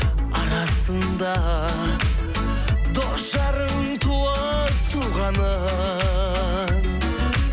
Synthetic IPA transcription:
ɑɾɑsənd̪ɑ | d̪osʒɑɾəŋ | t̪ʰuə | t̪ʰuʁɑnə

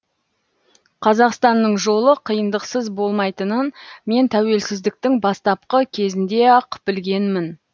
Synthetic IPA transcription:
qʰɑzɑqst̪ɑnːəɴʒo̞lˠəqʰəjənd̪əqsəzbo̞lˠmɑjt̪ənənme̞nt̪ʰæwe̞lsɪzd̪ɪk̚t̪ɪŋbɑst̪ɑp̚qəkʲʰe̞zɪnd̪e̞ɑqʰpɪlɡʲe̞nmɪn

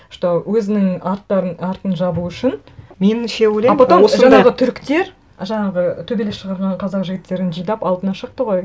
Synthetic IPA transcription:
ɪ̥ʃt̪owɵzɪnɪŋɑɾt̪ːɑɾnɑɾt̪ənʒɑbuʏʃɪn | menʃewoleɑpɑt̪omosʒɑɴɑʁət̪ʰʏɾkt̪e̞ɾ | ʒɑɴɑʁət̪ʰɵbe̞lesʃəʁɑɾʁɑɴqʰɑzɑqʒɪɡʲɪt̪ːe̞ɾɪnʒəjd̪ɑpɑlˠt̪ənɑʃəq̚t̪əʁoj

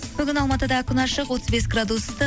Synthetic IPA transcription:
bʏɡʲɪnɑlˠmɑt̪əd̪ɑkʲɪnɑʃəqwo̞t̪əzbesɡrad̪ust̪ə

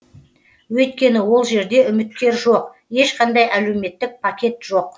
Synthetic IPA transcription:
wɵjt̪̚kʲe̞nɪwo̞lˠʒe̞ɾd̪e̞ʏmɪt̪̚kʲe̞ɾʒo̞q | e̞ʃqɑnd̪ɑjæle̞wme̞t̪ːɪk̚pʰakʲe̞t̪ʒ̥o̞q̚

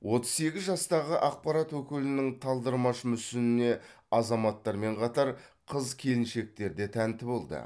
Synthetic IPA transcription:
wʔo̞t̪ə̥zse̞ɡʲɪzʒɑst̪ɑʁəʔɑq̚pɑɾɑt̪wɵkʲɪlɪnɪŋt̪ʰɑlˠd̪əɾmɑʃəmʏsɪnɪne̞ | ɑzɑmɑt̪ːɑɾme̞ɴqʰɑt̪ɑɾqʰəzkʲʰe̞lɪnʃe̞k̚t̪e̞ɾd̪e̞t̪ʰænt̪ɪbo̞lˠd̪ə̰

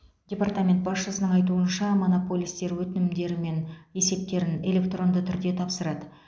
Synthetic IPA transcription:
dʲe̞part̪amʲe̞nt̪̚bɑsʃəsənəɴɑjt̪uənʃɑmo̞no̞po̞lʲˠijst̪e̞ɾwɵt̪ɪnɪmd̪e̞ɾɪme̞ne̞se̞p̚t̪e̞ɾɪne̞lʲe̞kt̪ro̞nd̪ət̪ʰʏɾd̪e̞t̪ʰɑpsəɾɑd̪ə

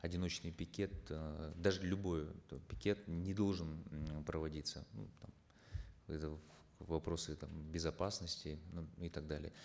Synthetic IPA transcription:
ɐdʲɪno̞t͡ɕnɨjpʲɪkʲe̞t̪d̪aʐɨlʲʊbo̞jpʲɪkʲe̞t̪nʲɪd̪o̞lˠʐɨnpɾəvɐdʲit̪sə̰nṵt̪am | ɛt̪ə | vɐpɾo̞sɨt̪ambʲɪzɐpasnəsʲtʲɪnunɪt̪aɡ̚d̪alʲɪ̰jə

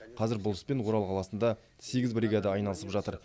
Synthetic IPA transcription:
qʰɑzɪɾbʊlˠɪspe̞nwo̞ɾɑlˠqʰɑlˠɑsənd̪ɑ | se̞ɡʲɪzbɾiɡɑd̪əɑjnɑlˠəsəpʒɑt̪əɾ

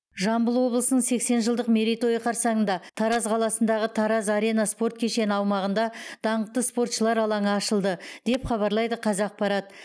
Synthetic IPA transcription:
ʒɑmbəlˠwo̞blˠəsənəɴse̞kse̞nʒəlˠd̪əqmʲe̞ɾijt̪o̞jəqʰɑɾsɑɴənd̪ɑt̪ʰɑɾɑzqʰɑlˠɑsənd̪ɑʁət̪ʰɑɾɑzɑɾe̞jnɑspo̞rt̪̚kʲʰeʃe̞nɪɑwmɑʁənd̪ɑd̪̥ɑɴəq̚t̪əspo̞rt̪ʃəlˠɑɾɑlˠɑɴəːʃəlˠd̪əd̪̥e̞pχɑβɑɾlˠɑjd̪əqʰɑzɑq̚pɑɾɑt̪

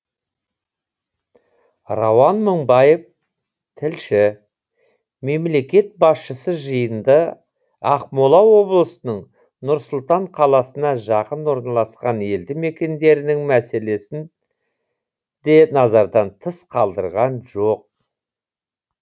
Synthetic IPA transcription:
rɑwɑnməɴbɑjəv | t̪ʰɪlʃɪ | me̞mle̞kʲe̞t̪̚bɑsʃəsəʒəjənd̪ə | ɑqmolˠɑwo̞blˠəsənəɴ | nʊɾsʊlˠt̪ɑɴqʰɑlˠɑsənɑʒɑqənwo̞ɾnɑlˠɑsqɑne̞ld̪ɪme̞kʲe̞nd̪e̞ɾɪnɪŋmæse̞le̞sɪn | d̪e̞nɑzɑɾd̪ɑnt̪ʰəsqʰɑlˠd̪ə̰ɾʁɑnʒo̞q̚

